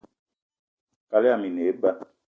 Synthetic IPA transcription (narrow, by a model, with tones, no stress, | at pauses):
ka˨le˦a˦˨mi˨ne˨˦ba˦